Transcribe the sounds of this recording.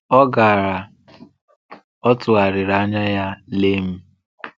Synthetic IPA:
ɔ˦ɡa˨ɾa˨ | ɔ˦tʊ˨a˨ɾɪ˨ɾa˨˦ɲa˦ja˦le˦m̩˦

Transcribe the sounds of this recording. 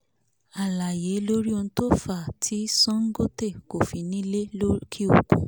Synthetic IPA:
a˨la˨je˨˦lo˦ɾi˦o˧ñ̩˦to˦fa˦˨tʰi˨˦sɔ̃˦ŋ̩˦ɡo˦te˦˨ko˨fi˨˧˦nĩ˨˦le˦o˦kʰi˦o̰˨ko̰˨

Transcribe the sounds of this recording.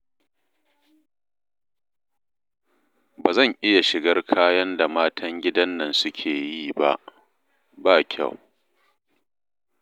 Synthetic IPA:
baː˨zɐ˦˨ŋʔɪ˦ja˨ʃɪ˨ɡɐ˦rkʰaː˦jɐ˦nda˨maː˦tʰɐ˦ŋɡʲɪ˦dɐ˦nːɐ˨nsʊ˦kʲʰeː˨jiː˦ba̰˦ʔ | baː˦kʲʰa̰˦˨w

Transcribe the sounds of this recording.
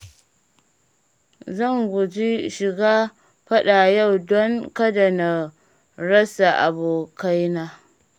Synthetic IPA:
zɐ˦˨ŋɡʷʊ˨d͡ʒi˦ʃɪ˨ɡaː˦ | ɸɐ˦ɗa˨ja˦˨wdɔ˦ŋkɐ˦da˨na˨ | ɾɐ˦sa˨ʔa̰˨boː˨ka˦jnaː˦

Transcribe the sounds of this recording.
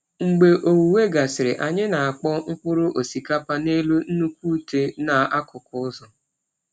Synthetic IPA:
ŋ͡m̩˨ɡ͡be˨ʔo˨wu˨we˦ɡa˨sɪ˨ɾɪ˨ʔa˨ɲɪ˦na˨a˨k͡pɔ˦ŋ̩˦k͡pʊ˦ɾʊ˦ʔo˨si˨ka˦pa˦ne˦lu˦n̩˦nu˦kʷu˦te˦na˨a˦kʊ˨kʊ˨˦ʊ˦zɔ˨

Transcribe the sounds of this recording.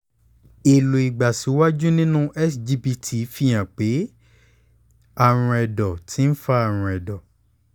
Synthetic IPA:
i˨lo˨i˨ɡ͡ba˨si˨˦wa˦d͡ʒu˦nĩ˦nũ˦ʔɛ˦sd͡ʒi˧bi˧tʰi˧˨fi˧˨j̃ã˨k͡pe˨˦ | a˦˨ɾ̃ũ˧ɛ˨dɔ˨tʰi˨˦n̩˦fa˦a˨ɾ̃ũ˧ɛ˨dɔ˨

